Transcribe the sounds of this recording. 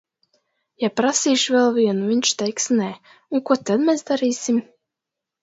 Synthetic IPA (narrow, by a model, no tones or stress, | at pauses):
japɾasiːʃvɛlˠviɛnuviɲʲt͡ʃt̪ɛjksnɛː | unkut̪ad̪mɛzd̪aɾiːsim